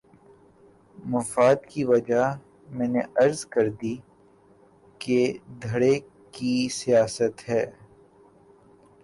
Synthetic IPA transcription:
mɐfaːd̪kiʋɐd͡ʒa | mɛ̃ːneɐɾzkɐɾd̪i | ked̪ʱɐɽe | kisijaːsət̪ɦɛː

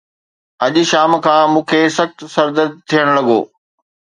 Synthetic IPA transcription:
ɐʄʃaːmkʰãːmũːkʰeːsɐxt̪sɐɾd̪ət̪ʰːijəɽ̃lɐɠo̰ː

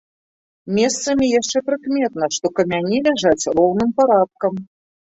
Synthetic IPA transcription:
mʲɛst̪sɐmʲijaʂt͡ʂɛpɾɨkmʲɛt̪̚nɐʂt̪ɔkɐmʲanʲilʲaʐat͡sʲrɔwnɨmpaɾap̚kɐm

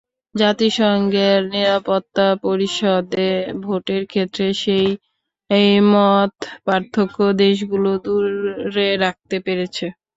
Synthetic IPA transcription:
d͡ʑat̪iʃɔŋɡeɾniɾapot̪ːapoɾiʃɔd̪ebʱoʈeɾkʰet̪ːɾeʃej | ejmɔt̪paɾt̪ʰokːod̪eʃ̬ɡulod̪uɾeɾak̚t̪epeɾet͡ɕʰe

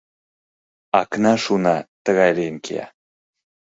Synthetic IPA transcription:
ɑknɑʃunɑt̪əɣɑjleənkʰḛɑ̰

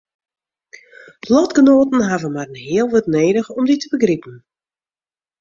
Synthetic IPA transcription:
əlɔtɡ̥ənoːtn̩ɦavəmarənɦeɪːəlˠʋətneːdəxɔmditəbəɡripən̩

